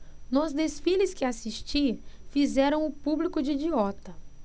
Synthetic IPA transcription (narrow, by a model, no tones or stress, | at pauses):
nozd̪esfilɪskɪasiʃt͡ʃiɐfizɛɾɐ̃w̃ʊpublikʊd͡ʒɪid͡ʒiɔt̪ɐ